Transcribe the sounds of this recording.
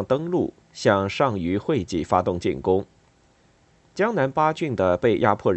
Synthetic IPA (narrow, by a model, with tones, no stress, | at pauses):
ŋt̪ɤ˥ŋlu˥˩ | ɕjɑ˥˧ŋʂɑ˥˩ŋy˧˥xwe˥˧ɪt͡ɕḭ˨˩fa˥t̪ʊ˥˧ŋt͡ɕḭ˥˩nkʊ˥ŋ | t͡ɕjɑ˥ŋna˧˥npa˥t͡ɕy˥˩nd̪ə˩pe˥˩ɪjʔa̰˥pʰwɔ˥˩